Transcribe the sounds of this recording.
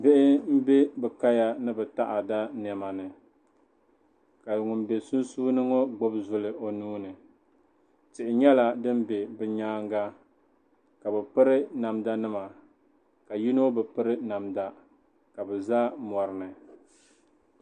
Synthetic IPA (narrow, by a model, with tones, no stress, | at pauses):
bɪ˦ʔɪ˦m̩˦be˦bɛ˨ka˦ja˦nɨ˦bɛ˨ta˦ʔa˨da˦nɛ˨ma˨nɨ˨ | ka˨ŋʊ˨mbe˨sʊ˦n˦suː˦nɨ˦ŋo˦ɡ͡bo˦bzʊ˨lɨ˨ʔo˨nuː˦nɨ˨ | tɪ˨ʔɪ˨ɲɛ˦la˨dɨ˦m˦be˨bɨ˨ɲaː˦ŋɡa˦ | ka˨bɛ˨pɨ˦ɾɪ˦na˨mda˦nɨ˦ma˨ | ka˨ji˦no˦bɛ˨pɨ˦ɾɨ˦na˨mda˦ | ka˨bɛ˨za˦mɔ˨ɾɨ˨nɨ˨